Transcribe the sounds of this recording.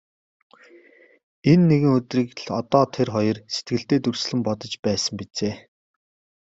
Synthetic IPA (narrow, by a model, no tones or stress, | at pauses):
enːeɣɘ̆ŋɵt̪riːkɮɔt̪ɔːt̪ʰerχɔjɞ̆rset̪̚ɡɘ̆ɬt̪eːt̪ɵrsɮɘ̆mpɔt̪ɞ̆t͡ɕpæːsə̆mpit͡seː